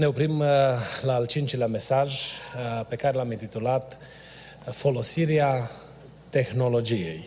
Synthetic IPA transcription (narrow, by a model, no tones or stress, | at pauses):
ne̞opɾimlaːlt͡ʃint͡ʃeleame̞saʒ | pe̞kaɾe̞lamint̪it̪ulat̪ | fo̞lo̞siɾea | t̪e̞xno̞lo̞d͡ʒije̞̰j